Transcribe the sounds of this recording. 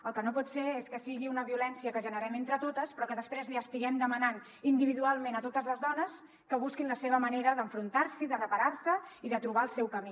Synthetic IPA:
əlˠkənopɔt̪seeskəsiɣiunəβiulɛnsiəkəʒənəɾɛment̪ɾət̪ot̪əspɾɔkəðəspɾezliəst̪iɣɛmd̪əmənan | ind̪iβiðualˠmenət̪ot̪əzləzðɔnəs | kəβuskinləseβəməneɾəðəɱfɾunt̪aɾsiðərəpəɾaɾsəiðət̪ɾuβaəlˠsɛwkəmi

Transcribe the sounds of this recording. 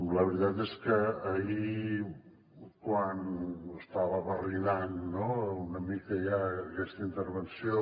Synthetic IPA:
ləβɾit̪at̪eskəːii | kwanəst̪aβəβərilanːounəmikəjakɛst̪əint̪əɾβ̞ənsio

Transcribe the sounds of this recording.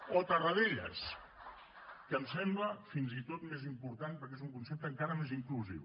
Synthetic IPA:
ot̪ərəðeʎə̰s | kəmsɛmbləfinzit̪ot̪mezimpuɾt̪anpəɾkezuŋkunsɛp̚t̪əŋkaɾəmeziŋkluzḭw

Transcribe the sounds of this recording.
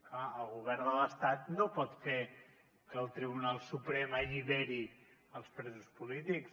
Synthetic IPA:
klaəlˠɣuβɛɾd̪ələst̪at̪nopɔt̪fe | kəlˠt̪ɾiβunalˠsupɾɛməʎiβeɾiəlˠspɾɛzuspulit̪iks

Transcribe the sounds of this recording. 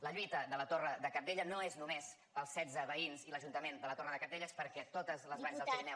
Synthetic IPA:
ləʎwit̪əðələt̪orəðəkəɾd̪eʎənoeznumez | əlˠsɛdd͡zəβəinziləʒunt̪əmend̪ələt̪orəðəkəɾðeʎəspəɾkɛt̪ot̪əzləzβanzzðəlzɾnɛ

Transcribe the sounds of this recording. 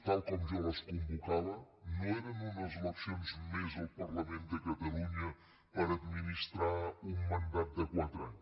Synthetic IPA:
t̪alˠkɔmʒɛɾəskumbukaðə | noeɾənunəzələpsionzmezəlˠpərləmend̪əkət̪əluɲə | pəɾəd̪minist̪ɾaumːənd̪at̪̚d̪əkwat̪ɾaɲ

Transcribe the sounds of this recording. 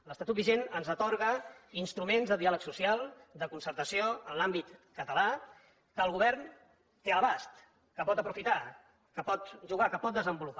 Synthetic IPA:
ləst̪at̪ut̪̚biʒenənzət̪ɔɾɣəinst̪ɾumenzðəðialəksusialˠd̪əkunsəɾt̪əsioənlambit̪kət̪əla | kəːlˠɣuβ̞ɛɾn | t̪eəlβast̪ | kəpɔt̪əpɾufit̪a | kəpɔt̪ʒuɣ̞akəpɔt̪d̪əzəmbulup

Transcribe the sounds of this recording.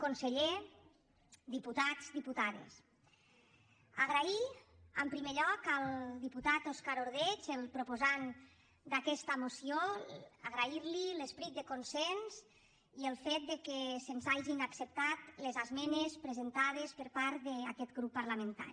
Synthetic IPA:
konseʎe | d̪iput̪ad͡zd̪iput̪aðḛs | aɣɾaiəmpɾimeʎɔkəlˠd̪iput̪at̪oskaɾoɾð̞et͡ʃelˠpɾupozan | d̪akɛst̪əmosioaɣɾaiɾlilespɾit̪̚d̪əkonsɛnz | iəlˠfet̪̚d̪ekesenzaʒinaksəp̚t̪at̪lezazmɛnespɾezent̪að̞espəɾpaɾt̪ðeakɛt̪ɡɾupːaɾlamẽnt̪a̰ɾi

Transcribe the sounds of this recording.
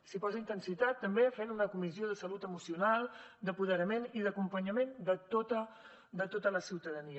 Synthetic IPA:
sipɔzəint̪ənsit̪at̪ːəmbefenunəkumizioð̞əsəlut̪əmusiunalˠd̪əpuðəɾəmeniðəkumpəɲəmend̪ət̪ot̪ə | d̪ət̪ot̪ələsiwt̪əðəni

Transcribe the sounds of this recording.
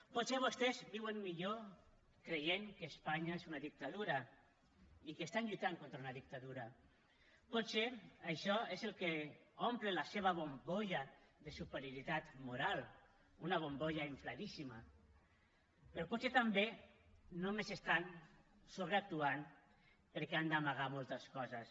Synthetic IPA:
pot̪seβ̞ost̪ezbiwemmiʎo | kɾejeŋkespaɲaezunaðik̚t̪aðuɾa | ikest̪anʎujt̪aŋkont̪ɾaunaðik̚t̪aðuɾa | pot̪seajʃɔezelkeomplelaseβ̞aβomboʎaðesupeɾjoɾit̪at̪muɾal | unaβ̞omboʎaeɱflaðisima | peɾɔpot̪set̪ambenomezest̪an | soβɾeak̚t̪uan | peɾkɛand̪amaɣ̞amolˠt̪askɔzas

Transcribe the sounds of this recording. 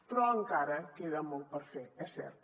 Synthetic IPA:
pɾɔəŋkaɾɐkeðɐmolt̪̚pəɾfɛkɛsɛ̰ɾt̪

